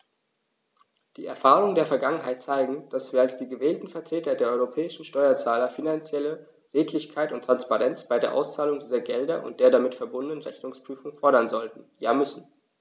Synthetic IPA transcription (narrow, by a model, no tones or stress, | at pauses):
d̥iːɛ̰ɐfaːʁ̞ʊŋəndeːɐfɛɐɡaŋənhaɪt̚t͡saɪɡŋ̩d̥asv̥iːɐalsd̥iːɡəvɛːltn̩fɛɐtʁ̥eːtɐdeːɐʔɔʏʁopʰɛːɪʃn̩ʃtɔʏɐt͡saːlɐfinant͡sjɛlə | ʁeːtʰlɪçkʰaɪtʊntːʁ̥anspaʁɛnt͡sb̥aɪdeːɐʔa̰ʊst͡saːlʊŋdiːzɐɡɛldɐʔʊ̰nt̚d̥eːɐdamɪtfɛɐbʊndənənʁɛçnʊŋspʁ̥yːfʊŋfɔɐɾɐnzɔltn̩jaːmʏsn̩